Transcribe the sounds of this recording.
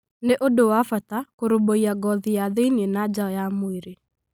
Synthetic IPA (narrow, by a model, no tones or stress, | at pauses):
neʔodowafatakoɾoboiaɡɔðijaðeinenad͡ʒaɔjamoeɾe